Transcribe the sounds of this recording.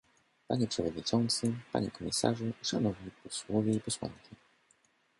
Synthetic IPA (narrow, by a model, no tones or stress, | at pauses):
paɲɛpʂɛvɔd̪ɲit͡ʂɔnt̪sɘpa̰ɲɛkɔmʲisa̰ʐuʂanɔvɲipɔswɔvʲjɛipɔswa̰nkʲi